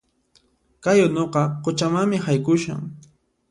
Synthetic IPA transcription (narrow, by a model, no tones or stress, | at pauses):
kajʊnoqɑqʊt͡ʃamaŋmɪhajkʊʃa̰ŋ